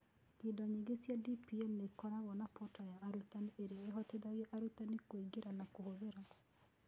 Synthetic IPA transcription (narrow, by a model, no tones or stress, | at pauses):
pidɔɲiɡesjadipiɛlnekɔɾawɔnapotajaːɾutanieɾeaeɦɔteðaɣɛʔaɾutanikoiɡeɾanakohoðeɾa